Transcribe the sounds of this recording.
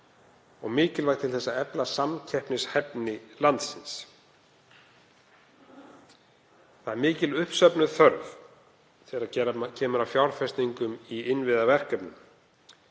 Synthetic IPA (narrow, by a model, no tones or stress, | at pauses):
ɔɣmɪːcɪlvajxt̪ʰɪlθɛsːaɛplasamcʰɛhpnɪshɛpnɪlant̪sɪns | θaðɛɾmɪːcɪlʏhpsœpnʏθœɾv | θɛɾaɛɾacʰɛːmʏɾawfjawɾfɛst̪niŋkʏmiɪnvɪðavɛr̥kœpnʏm